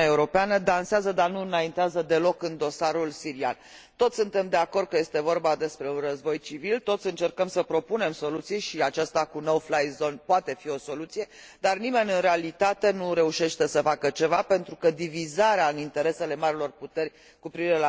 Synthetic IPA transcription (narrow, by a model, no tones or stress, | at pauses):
aeuɾo̞peanəd̪anseazəd̪anuɨnaint̪eazəd̪e̞lo̞kɨnd̪o̞saɾulsiɾia̰n | t̪o̞t̪sʲsɨnt̪e̞md̪e̞ako̞rd̪̚kəje̞st̪e̞vo̞rbad̪e̞spɾe̞unrəzbo̞jt͡ʃivilt̪o̞t̪sʲɨnt͡ʃe̞rkəmsəpɾo̞punemso̞lut̪sijʃiat͡ʃast̪akuno̞wflajzo̞npoat̪e̞fio̞so̞lut̪sije̞ | d̪arnime̞nʲɨnɾe̞alit̪at̪e̞nuɾe̞uʃe̞ʃt̪esəfakət͡ʃe̞vape̞nt̪ɾukəd̪ivizaɾeaɨnint̪e̞ɾe̞se̞le̞maɾilo̞rput̪e̞rʲ | kupɾiviɾe̞la